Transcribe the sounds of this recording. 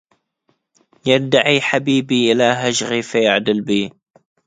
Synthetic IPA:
jad̪aʕiħabiːbiːʔɪlaɦaʒɣifajaʕd̪ɪlbiː

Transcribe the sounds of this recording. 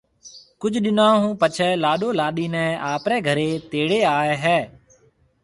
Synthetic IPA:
kʊd͡ʒʱɗɪnaːɦũːpət͡ʃʰɛːlaːɗoːlaːɗiːnɛ̃ːaːpɾɛːɡʱəɾeːt̪eːɽeːaːeɦɛː

